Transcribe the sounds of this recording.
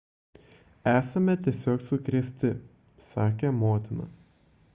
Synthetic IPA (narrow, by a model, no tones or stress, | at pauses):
æːsɐmʲɛt̪ʲiɛsʲoːksʊkɾʲiːsʲt̪ʲɪ | sɑːkʲeːmoːt̪ʲɪnɐ̰